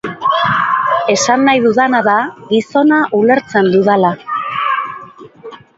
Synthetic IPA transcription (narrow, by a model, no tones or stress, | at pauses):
e̞sanːajðuðanaðaɣiso̞naʔule̞ɾt͡se̞nd̪uðala